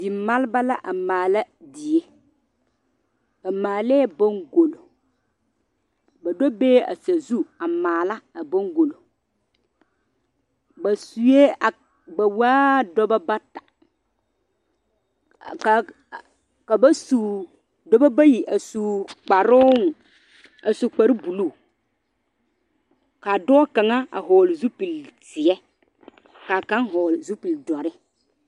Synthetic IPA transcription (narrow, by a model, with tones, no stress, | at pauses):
dɪ˨ma˦lba˦la˦ʔa˨maː˨la˦di˨e˦ | a˨maː˨lɛː˦bo˦ŋɡo˨lo˨ | ba˨do˦beː˦a̰˨sa˨zu˦a˨maː˨la˦a˨bo˦ŋɡo˨lo˨ | ba˨su˨je˦a˨ | ba˨waː˦dɔ˦ba˦ba˦tḁ˨ | ka˨ | ka˨ba˦su˨ | dɔ˦ba˦ba˦ji˨ʔa˨su˨k͡pa˨ɾʊ˦ŋ˨ | a˨su˨k͡pa˨ɾi˦bu˨lu˦˨ | ka˨dɔː˦ka˨ŋa˦a̰˨ɦɔː˨lzu˦pi˨ltɪ˨ɛ˦ | ka˨ka˦ŋɦɔ˨lzu˦pi˨ldɔ˨ɾɪ˦